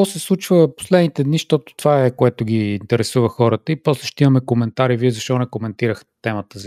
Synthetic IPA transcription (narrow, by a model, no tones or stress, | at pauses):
ɔsɛslˠut͡ʃvəpo̥slɛd̪nit̪ɛd̪niʃt̪ɔt̪ʊ̥t̪ovaɛkoɛt̪ʊɡʲiːnt̪ɛɾɛsuvəxɔɾət̪əipɔslɛʃt̪ɛimɐmɛkomɛnt̪aɾiviɛzɐʃt̪ɔnɛkomɛnt̪iɾəxt̪ɛmət̪əz